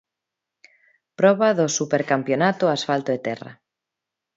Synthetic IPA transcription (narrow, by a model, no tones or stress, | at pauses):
pɾɔβaðosupeɾkampjonat̪oasfalt̪oet̪ɛra̰